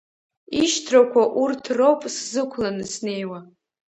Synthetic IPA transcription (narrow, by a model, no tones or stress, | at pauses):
iʃtʰrakʷʰaʔurtʰrowpʼszɨkʷʰlanɨsne̞jwa